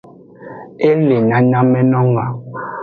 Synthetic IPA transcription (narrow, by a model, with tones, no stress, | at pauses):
e˦le˨ɲã˨ɲã˦mɛ˦nɔ˦ŋa˨